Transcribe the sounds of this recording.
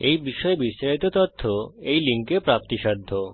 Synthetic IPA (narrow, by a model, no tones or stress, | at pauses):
ejbiʃɔebisːaʃit̪ot̪ɔt̪ʰːoejliŋkepɾap̚t̪iʃad̪ʱːo